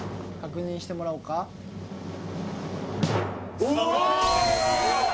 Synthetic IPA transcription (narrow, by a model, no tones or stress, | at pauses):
kakɯ̟ɲ̟ĩɕi̥t̪e̞mo̞ɾaɯ̟ka